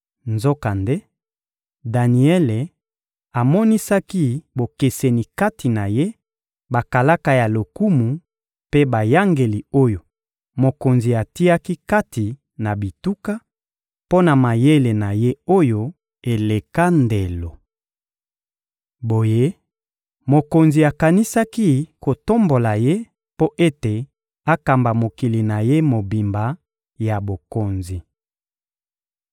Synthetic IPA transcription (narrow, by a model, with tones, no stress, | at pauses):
nzo˦ka˨nde˦ | da˨ni˨ɛ˦le˨ | a˨mɔ˦ni˦sa˦ki˦bo˨ke˨se˨ni˨ka˦tʰi˨na˨je˦ | ba˨ka˨la˦ka˦ja˨lo˨ku˦mu˨ | pe˦ba˨ja˦ŋɡe˨li˨o˦jo˨ | mo˨ko˨nzi˨a˨ti˦a˦ki˦ka˦ti˨ | na˨bi˨tu˦ka˦ | po˦na˨ma˨je˦le˨na˨je˦o˦jo˨ | e˨le˨ka˦nde˨lo˨ | bo˨je˦ | mo˨ko˨nzi˨a˨ka˨ni˦sa˦ki˦ko˨to˦mbo˨la˨je˦ | po˦ʔe˦te˨ | a˦ka˨mba˨mo˨ki˨li˨na˨je˦mo˨bi˨mba˨ | ja˨bo˨ko˨nzi˨